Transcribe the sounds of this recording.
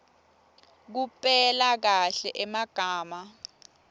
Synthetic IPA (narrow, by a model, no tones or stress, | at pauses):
k̬upʼɛlak̬aɬɛʔɛmaɡ̥ʱaːma